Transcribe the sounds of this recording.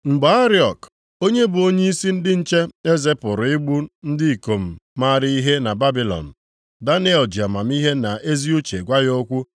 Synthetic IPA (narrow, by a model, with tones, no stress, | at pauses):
ŋ͡m̩˨ɡ͡ba˨˦a˦ɾi˦ɔ˨k | o˦ɲe˦bʊ˨o˦ɲe˦i˦si˦n̩˦dɪ˦n̩˦t͡ʃe˦e˦ze˦pʊ˨ɾʊ˨ɪ˦ɡ͡bu˦n̩˦dɪ˦i˨ko˨m̩˨ma˦˨ɾɪ˦i˦ɦe˦na˨ba˦bi˨lɔ̰˨n̩˨ | da˦ni˦ɛ˨ld͡ʒi˨a˨ma˨m̩˦i˦ɦe˦na˨ʔe˦zi˦u˦t͡ʃe˨ɡʷa˦jo˦kʷu˦